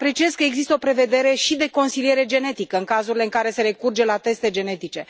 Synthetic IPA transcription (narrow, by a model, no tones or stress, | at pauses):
apɾe̞t͡ʃie̞zkəeɡzist̪əo̞pɾe̞ve̞d̪e̞ɾe̞ʃid̪e̞ko̞nsilije̞ɾe̞d͡ʒe̞ne̞t̪ikəɨŋkazuɾile̞ɨŋkaɾe̞se̞ɾe̞kurd͡ʒelat̪e̞st̪e̞d͡ʒe̞ne̞t̪it͡ʃe̞